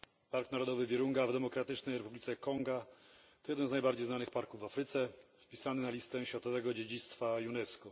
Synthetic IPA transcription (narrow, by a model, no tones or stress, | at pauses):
paɾknaɾɔd̪ɔvɘvʲjɛɾuŋɡavd̪ɛmɔkɾat̪ɘt͡ʂnɛjɾɛpublʲit̪sɛkɔŋɡat̪ɔjɛd̪nɛmznajbaɾd͡ʑejznanɘxpaɾkuvːafɾɘt̪sɛfpʲisanɘnalʲist̪ɛɕfʲjat̪ɔvɛɡɔd͡ʑed͡ʑit̪st̪fajunɛskɔ